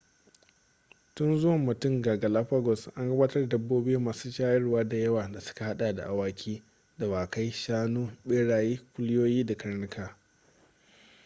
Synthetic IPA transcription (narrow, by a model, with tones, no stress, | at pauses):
tʊ˦nzʊ˦wɐ˨mːʊ˨tʊ˦ŋɡaː˨ɡa˨la˦ɸaː˦ɡɔ˨sʔa˦ŋɡɐ˦baː˦tɐ˦rdɐ˦bːoː˦bɪ˦u˦maː˨suː˦ʃaː˦jɐ˦rwaː˦da˨jɐ˦waː˨da˨sʊ̥˦ka˨ha˦ɗaː˨da̰˨ʔa˨waː˦kʲʰiː˦ | da˨waː˨ka˦jʃaː˦nuː˦ɓeː˦ɽaː˨jiː˦kʷʊ˦lɪ˦joː˦jiː˦da˨kɐ˦ɾnɪ˦kʰaː˨